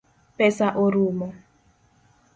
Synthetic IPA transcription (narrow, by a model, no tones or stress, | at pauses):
pɛsaʔoɾumɔ